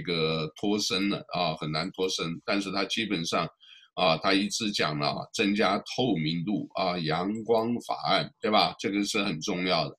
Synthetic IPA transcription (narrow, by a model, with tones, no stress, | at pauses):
ɡə˧t̪ʰwɔ˥ʂə˥nd̪ə̰˨˩ə˧˩xə˨˩nna˧˥nt̪ʰwɔ˥ʂə˥nt̪a˥˧nʂɻ̩˥˧t̪ʰa˥t͡ɕi˥pə˨˩nʂɑ˥˩ŋə˧t̪ʰa˥i˧˥t͡sɹ̩˥˩t͡ɕjɑ̰˨˩ŋlə̰˧t͡sə˥ŋt͡ɕja˥t̪ʰo˥˩ʊmi˧˥nt̪u˥˩ə˧jɑ˧˥ŋkwɑ˥ŋfa̰˨˩a˥˩nt̪we˥˩ɪba˩ʈ͡ʂɤ˥˩ɡə˨˩ʂɻ̩˥˩xə˨˩nʈ͡ʂʊ˥˧ŋjɑ˥˩ʊd̪ə˩